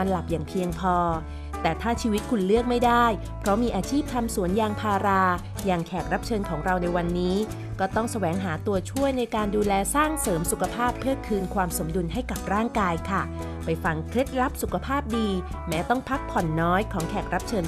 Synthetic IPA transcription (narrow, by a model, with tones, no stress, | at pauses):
a˧nla˨˩p̚jaː˨˩ŋpʰi˧əŋpʰɔː˧ | t̪ɛː˨˩t̪ʰaː˥˩t͡ɕʰiː˧wi˦˥t̪̚kʰu˧nlɯ˥˩ək̚ma˥˩jdaː˥˩j | pʰɾɔ˦˥miː˧ʔaː˧t͡ɕʰiː˥˩p̚t̪ʰa˧msu˨˩˦ənjaː˧ŋpʰaː˧ɾaː˧ | jaː˨˩ŋkʰɛː˨˩k̪̚ɾa˦˥p̚t͡ɕʰɤː˧nkʰɔː˩˦ŋɾa˧wna˧jwa˧nːiː˦˥ | kɔː˥˩t̪ɔ˥˩ŋsa˧wɛː˩˦ŋɦaː˩˦t̪u˧ɐt͡ɕʰu˥˩əjna˧jkaː˧nduː˧lɛː˧saː˥˩ŋsɤː˩˦msu˨˩kʰa˧pʰaː˥˩pʰːɯː˥˩kʰɯː˧nkʰwaː˧mso˩˦mdu˧nɦa˥˩jka˨˩p̚ɾaː˥˩ŋkaː˧jkʰa˥˩ | pa˧jfa˧ŋkʰɾe˦˥t̪̚ɾa˦˥p̚su˨˩kʰa˧pʰaː˥˩p̚diː˧ | mɛː˦˥t̪ɔ˥˩ŋpʰa˦˥k̚pʰɔ˨˩nːɔː˦˥jkʰɔː˩˦ŋkʰɛː˨˩k̪̚ɾa˦˥p̚t͡ɕʰɤː˧n